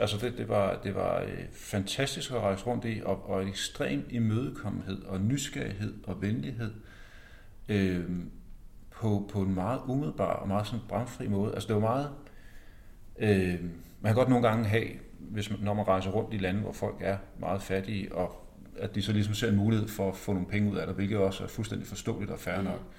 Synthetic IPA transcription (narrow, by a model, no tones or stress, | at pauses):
ʔælsəd̥e̝d̥e̝ʋɑ̈d̥e̝ʋɑ̈ø | fænt͡sʰæsd̥isɡ̥ɒʁɑ̈ɪsəʁɔ̽n̰d̥iʔɒ̽ʔɒ̽edeɡ̥sd̥ʁḛːmdimøːð̞ˠəkʰɒ̽m̰n̩ɦe̝ð̰ˠɒ̽nysɡ̥æɐiɦe̝ð̞̰ˠɒ̽ʋenliɦe̝ð̰ˠ | ø | pʰɒ̽pʰɒ̽e̝nmɑ̈ːð̩ˠumið̞̩ˠb̥ɑ̰̈ːɒ̽mɑ̈ːð̞̩ˠsɒ̽nb̥ʁɑ̈mfʁḭmɔ̽ːð̩ˠælsə̥d̥e̝ʋɑmɑ̈ːð̞̩ˠ | ʔø | mænkʰæɡ̥ɒ̽dno̝ːn̩ɡ̥ɑ̈ŋəɦɛ̰ː | ʋe̝smnːɒmænʁɑ̈ɪsəɐʁɔ̽n̰d̥ilænəʋɒ̰fɒ̽l̰ɡ̥æɐmʔɑ̈ːð̞̩ˠfæd̥iːʔɒ̽ | æd̥isɒ̽lis̬ɒ̽mse̝ɐe̝nmuːlihe̝ð̰ˠfɒ̽æfɔ̰̽noːn̩pʰeŋəuð̞̰ˠæɾ̥ɐʋe̝lɡ̥ð̩ˠɒ̽sæɐfulsd̥end̥ifɒ̽sd̥ɔ̰ːlid̥ɒfæɐnɒ̽ɡ̥